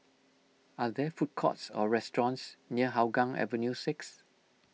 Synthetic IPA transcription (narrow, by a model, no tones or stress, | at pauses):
adɛfut̚kʰɔ̰tsɔ̰ɹɛstɹɔ̃nsniəɦawɡãŋɛ̰və̃njusɪks